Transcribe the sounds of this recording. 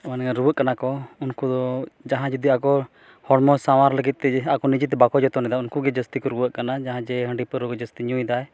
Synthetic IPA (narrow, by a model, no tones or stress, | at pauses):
anɾuwəʔkanakɔunkud̪ɔd͡ʒaɦãd͡ʒəd̪iakɔ | hɔɽmɔsamaɾləɡit̪̚t̪ɛakɔnid͡ʒit̪ɛbakɔd͡ʒɔt̪ɔnɛd̪aunkuɡɛd͡ʒəst̪ikɔɾuwəʔkanad͡ʒaɦãd͡ʒɛɦəɳɖipəɾukɔd͡ʒəst̪iɲũjd̪aj